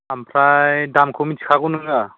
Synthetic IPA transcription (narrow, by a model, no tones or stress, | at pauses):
ampʰɾajjdamkʰomit͡ʃkʰaɡunɯŋɡa